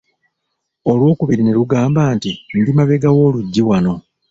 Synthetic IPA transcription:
o̞lwo̞ːkuβiɾine̞luɡaːmbaːntindimaβeɡawo̞ːluɟːiwano̞

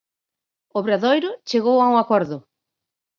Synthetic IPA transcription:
ʊβɾaðojɾʊt͡ʃeɣowauŋakɔɾðʊ

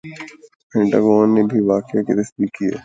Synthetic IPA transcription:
pʰɛ̃ɳʈaːɡɔːnːebʱiʋaːkeket̪ɐsb̪iːkːiḛː

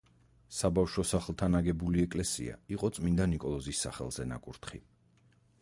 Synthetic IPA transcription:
sabafʃwɔsaχlˠt̪ʰanaɡɛbuliɛkʼlɛsḭa̰iqʼɔt̪sʼmind̪anikʼɔlˠɔzisːa̰χɛ̰lˠz̥ɛna̰kʼuɾt̪ʰχḭ

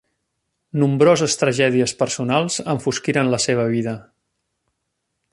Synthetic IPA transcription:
numbɾozəst̪ɾəʒɛðiəspəɾsunalˠzəɱfuskiɾənləseβ̞əβiðə

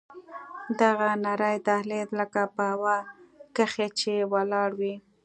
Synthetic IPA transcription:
d̪aɣanaɾəjt̪ahled̪ləkapəɦawakəxet͡ʃewalɑɽwi

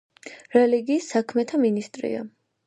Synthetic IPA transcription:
ɾɛliɡiːsːakʰmɛt̪ʰaminist̪ʼɾḭa̰

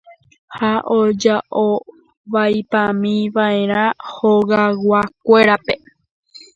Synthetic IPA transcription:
haʔod͡ʒaʔo | ʋajpãmĩʋae̞ɾ̃ãhoɣawak̚ʷe̞ɾape

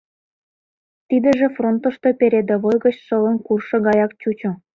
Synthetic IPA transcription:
t̪id̪ə̆ʒĕfront̪ə̆ʃt̪opeɾed̪ĕβojɣə̆t͡ɕʃɤ̆lə̆nkurʃɤ̆ɡɑjɑk̚t͡ɕut͡ɕŏ

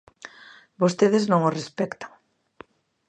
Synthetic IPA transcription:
bost̪eðɪznõŋosrespɛkt̪ḁŋ

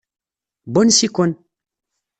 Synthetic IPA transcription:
bonsikon

